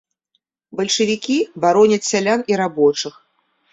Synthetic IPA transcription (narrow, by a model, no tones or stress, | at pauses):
bɐlʲʂɨvʲikʲibaɾɔnʲɐt͡sʲsʲalʲaniɾabɔt͡ʂɨx